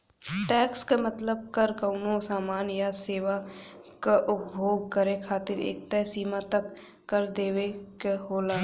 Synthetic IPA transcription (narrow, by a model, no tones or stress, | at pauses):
ʈɛːkskamət̪ləb̚kəɾkəʊnosaːmaːnjaseːʋakaʔʊpbʱoːɡ̚kəɾekʰaːt̪ɪɾḛːk̚t̪ɛːsiːmat̪əkː | əɾd̪eːʋekeɦoːlaː